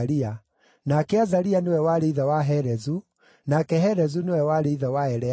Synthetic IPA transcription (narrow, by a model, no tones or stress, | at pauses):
ɾia | nakeazaɾianewɛwaɾeiðawaɦɛɾɛzu | nakɛɦɛɾɛzunewɛwaɾeiðawaɛɾɛ